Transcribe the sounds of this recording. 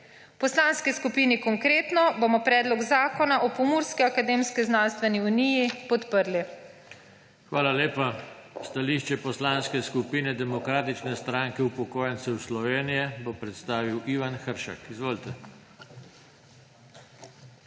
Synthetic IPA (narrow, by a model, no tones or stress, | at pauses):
pɔslaːnskiskupinikɔŋkɾeːt̪nɔbomɔpɾɛːd̪lɔɡzaːkɔnaʔɔpɔmuɾskiakad̪eːmskiznanst̪ʋɛniunijipɔt̪pəɾli | xʋaːlaleːpast̪aliʃt͡ʃɛpɔslanskɛskupiːnɛd̪ɛmɔkɾaːt̪it͡ʃnɛst̪ɾaːŋkɛupɔkoːjɛnt̪sɛwslɔʋeːnijɛbopɾɛt̪st̪aːʋiwʔiːʋanxəɾʃa̰kizʋoːlt̪ɛ